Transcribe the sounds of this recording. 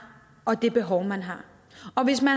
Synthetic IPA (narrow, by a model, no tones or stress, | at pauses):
ɒ̽d̥e̝b̥e̝ɦɒʊmænɦɑ̈ | ɒ̽ʋe̝smæ